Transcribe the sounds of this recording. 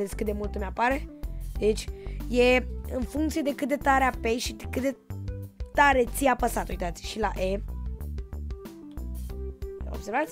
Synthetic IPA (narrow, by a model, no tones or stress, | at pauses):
ezkɨt̪d̪e̞mult̪umeapaɾe̞d̪e̞t͡ʃʲjeɨnfuŋkt̪sije̞d̪e̞kɨt̪̚d̪e̞t̪aɾeapeʃid̪kɨt̪d̪e̞ | t̪aɾe̞t̪siapəsat̪ujt̪at̪sʲʃilaʔe | o̰b̥se̞ɾvat̪sʲ